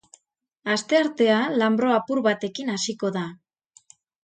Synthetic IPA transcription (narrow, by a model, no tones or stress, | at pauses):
ast̪e̞aɾt̪e̞alambɾo̞apuɾβat̪e̞kinasiko̞ða